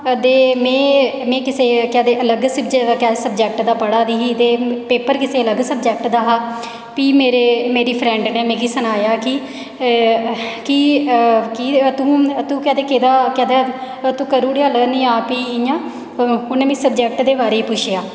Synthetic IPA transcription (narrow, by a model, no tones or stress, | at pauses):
d̪eːmɛ̃ːmɛ̃ːkɪseːkɛːd̪eːələɡsəbd͡ʒkɛːsəb̚d͡ʒɛːk̚ʈd̪aːpəɽaːd̪iːiːt̪eːpeːpəɾkɪseːələɡsəbd͡ʒɛːk̚ʈd̪aːɦaː | piːmeːɾeːmeːɾiːpʰɾɛ̃ːɳɖneːmẽːɡiːsənaːjaːkɪ | ki | kit̪ũːt̪ũːkɛːd̪eːkeːd̪aːkɛːd̪ɛː | t̪ũːkəɾuːɽeaːlənĩːaːpiːɪjãː | ʊnẽːmĩːsəbd͡ʒɛːk̚ʈd̪eːbaːɾeːiːpʊʃʰjaː